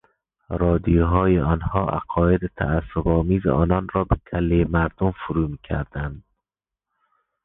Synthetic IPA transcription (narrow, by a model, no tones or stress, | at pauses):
ɾɒːd̪ijoɦɒːjeɒnhɒːʔæ̰ɡɒːjed̪et̪ʰæ̰æsːobɒːmiːzeʔɒ̰ːnɒnrɒːbek̪ʰælːejemæɾd̪omfuɾuːmiːcʰæ̰ɾd̪ænd̪